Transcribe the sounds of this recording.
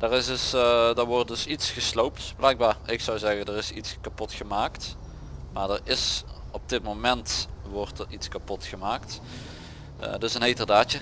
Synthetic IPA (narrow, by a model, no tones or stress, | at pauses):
d̥ərɪsdɵsdəɹʋɔrt̚dɵsitsχəslowptblɛjk̚baːɹɪksɑwzɛɣəndərɪsitskapɔtχəmaːkt | maːɹdərɪs | ɔb̚dɪt̚momɛntʋɔɹtəɹitskapɔtχəmaːkt | dɵsənɦejtərdaːt͡ʃə